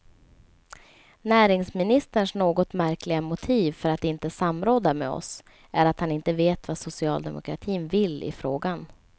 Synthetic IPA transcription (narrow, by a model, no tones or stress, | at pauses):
næːɾɪŋsmɪnɪst̪əɳʂnoːɡɔt̪mæɾklɪɡamʊt̪ʰiːvfœɾat̪ɪnt̪əsamɾoːd̪amɛ̰ɔ̰s | ʔæɾat̪hanɪnt̪əveːt̪vasʊsɪɑ̰ːld̪ɛ̰mʊ̰kʰɾa̰t̪ʰiːnvɪlːɪ̰fɾoːɡan